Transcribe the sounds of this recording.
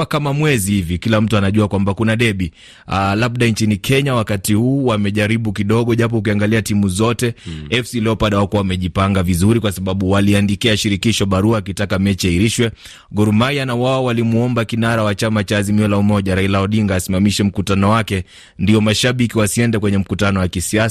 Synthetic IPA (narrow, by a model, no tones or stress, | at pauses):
kamamwɛzihivikilam̩tuanaʄuakwambakunaɗɛɓi | alab̚ɗaint͡ʃinikʰɛɲawakatihuːwamɛʄaɾiɓukiɗɔɠɔʄap̬ɔuk̬iaŋɡaliatimuzɔtɛɛfsilɛɔpaɗawakuawamɛʄipaŋɡavizuɾikwasaɓaɓuwaliandikiaʃiɾikiʃɔɓaɾuaːkitakamɛt͡ʃiaiɾiʃwɛ | ɡɔɾumaianawawawalimuɔmbakinaɾawat͡ʃamat͡ʃaːzimiɔlaumɔʄaɾailaɔɗiŋɡaːsimamiʃɛm̩kutanɔwakɛ | ndiɔmaʃaɓikiwasiɛndɛkwɛɲɛm̩kutanɔwakisias